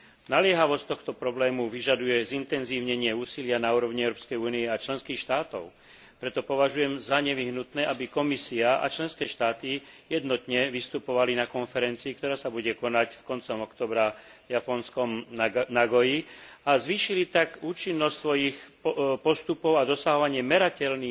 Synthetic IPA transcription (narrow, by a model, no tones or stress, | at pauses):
nalɪɛɦaʋɔst̪ɔxt̪ɔpɾɔblɛːmuʋiʒad̪ujɛzint̪ɛnziːʊɲɛɲɪɛuːsilɪanauːɾɔʊɲiɛʊɾɔːpskɛjuːniɛat͡ʃlɛnskiːxʃt̪aːt̪ɔʊ | pɾɛt̪ɔpɔʋaʒujɛmzaɲɛʋiɦnut̪nɛːʔabikɔmisiaʔa̰t͡ʃlɛnskɛːʃt̪aːt̪ijɛd̪nɔt̪ɲɛʋist̪upɔʋalinakɔnfɛɾɛnt͡siːkt̪ɔɾaːsabuɟɛkɔnacfkɔnt͡sɔmɔkt̪ɔːbɾajapɔnskɔmnaɡɔjiazʋiːʃilit̪aɡuːt͡ʃinːɔst̪sʋɔjixpɔst̪upɔʊad̪ɔsaɦɔʋaɲɪɛmɛɾacɛlniː